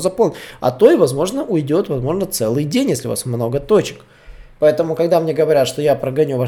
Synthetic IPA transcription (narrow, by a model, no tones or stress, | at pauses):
zɐpolˠnɐ̰t̪o̞ɪvɐzmo̞ʐnəʔʊjɪdʲo̞t̪vɐzmo̞ʐnət̪sɛlˠɨjdʲenʲjesʲlʲɪʊ̰va̰smno̞ɡət̪o̞t͡ɕɪ̥k | pɐɛt̪əmʊkɐɡd̪amnʲe̞ɡəvɐɾʲat̪ʂt̪o̞japɾəɡɐnʲuva